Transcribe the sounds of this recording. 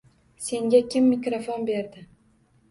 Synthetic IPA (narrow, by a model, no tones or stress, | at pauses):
se̞ŋɡʲakʲɪmːɪkʲɾofonbe̞ɾd̪ɪ